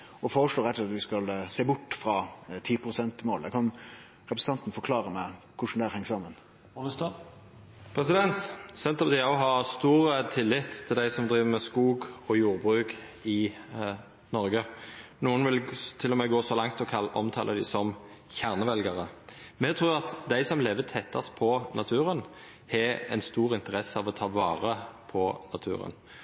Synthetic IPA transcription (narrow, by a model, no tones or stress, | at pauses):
ɔfoːɾəʂloːɾɛt̪ːɛɑt̪ʋɪskɑlseːbʊʈːfɾɑt̪ʰiːpʰʁʊsɛnt̪moːld̪ækʰɑn | ɾɛpɾəsəɑnt̪n̩fɔɾkʰlɑːɾəmɛkʰʊʂnd̪ɛæɾhɛŋːsɑːmːən | st̪ | pʰʁɛsɪd̪ɛnt̪sɛnt̪ɑpd̪ɪɑɦɑʁst̪uːʁət̪ʰɪlːɪt̪ʰːɪld̪æɪsɔmd̪ɾiːʋəmɛskuːɡɔjuːʁbʁʉːk | ɪ | nɔʁɡənuːənʋɪlt̪ʰɪlːɔmɛɡoːsɔlɑŋt̪ɔkʰɑlːʔɔmt̪ʰɑ̰ːlʔəd̪ɪsɔmçæʁnəʋɛlɡɑʁəmɛt̪ʰʁuːʁɑt̪d̪æɪsɔmleːʋət̪ʰɛt̪ʰːɑspʰɔnɑt̪ʰʉːʁən | hɛɛ̰nst̪uːʁɪnt̪əʁɛsːəɑʋɔt̪ʰɑːʋɑ̰ːʁəpʰɔnɑt̪ʰʉ̰ːʁə̰n